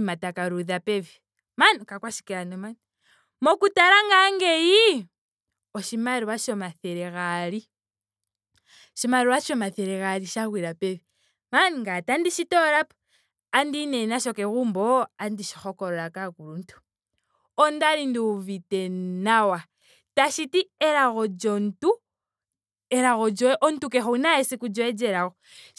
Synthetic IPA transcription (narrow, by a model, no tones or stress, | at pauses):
matakaɾuðapeβi | manikakwaʃi̥kiɾanoman | mokutaɾaŋɡaŋɡeji | oʃimaɾiwaʃomaθeɾeɣali | ʃimaɾiwaʃomaθeɾeɣaɾiʃaɣwiɾapeβi | maniŋɡatandiʃitoɾap | andinenaʃokeɣuːmboandiʃixokoɾoɾakakuluntu̥ | ondaɾindiuvitenawa | taʃitieɾaɣod͡ʒontu | eɾaɣod͡ʒɔʔontukexoinaesikud͡ʒɔed͡ʒeɾaɣo